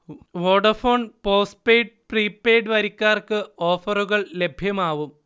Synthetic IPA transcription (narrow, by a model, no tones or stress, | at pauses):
ʋo̞ːɖɐrfo̞ːɳpo̞ːspeːjɖ̚priːpːeːjɖɨʋɐɾikʲːaːrkɨoːfɐruɣɐɭle̞bʱjɐmaːʋum